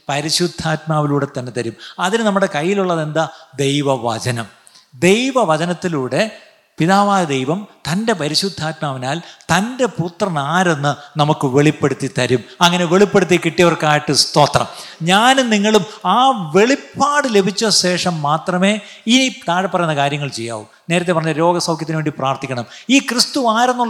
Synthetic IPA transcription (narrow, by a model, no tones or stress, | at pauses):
pɐɾiɕud̪ʱːaːt̪̚maːʋiluːɽe̞t̪ɐnːet̪ɐɾumɐðinɨnɐmːuɽe̞kɐjːiluɭːɐðe̞nd̪ɐd̪e̞jʋɐʋɐ̰t͡ɕɐnɐm | d̪e̞jʋɐʋɐt͡ɕɐnɐt̪ːiluːɽe̞ | piðaːʋaːjɐd̪ejʋɐmt̪ɐnde̞pɐɾiɕud̪ʱːaːt̪maːʋinaːlt̪ɐnde̞put̪rɐnaːɾe̞nːɨnɐmukːɨʋe̞ɭipːe̞ɽut̪ːit̪ɐɾumɐŋːɐne̞ʋe̞ɭipːe̞ɽut̪ːikiʈːijɐʋɐrkaːjiʈːɨst̪o̞ːt̪rɐ̰mɲaːnniŋːɐɭumaːʋe̞ɭipːaːɽɨle̞bʱit͡ɕːɐɕeːʂɐmːaːt̪rɐme̞ː | init̪aːɻɐpːɐrɐjunːɐkaːɾjɐŋːɐɭt͡ɕe̞jːa̰ːʋṵmne̞ːɾɐt̪ːepɐrɐɲːɐɾo̞ːɡɐsɐwkʰjɐt̪ːnʋeːɳɖipraːrt̪ikʲːɐɳɐmiːkrɨst̪uaːɾenːuɭɐ